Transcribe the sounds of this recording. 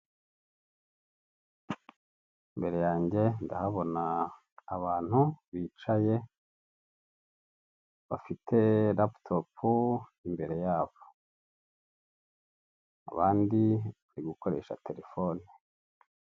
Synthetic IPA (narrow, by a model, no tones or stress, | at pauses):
imbe̞ɾe̞jaːɲɟe̞ndahaβo̞naː | βaːn̥huβiːt͡ʃaje̞ | βafitʰe̞laptʰopʰuimbe̞ɾe̞jaːβo | a̰βaːndiβaɾiɡuko̞ɾeːʃa̰te̞ɾe̞fone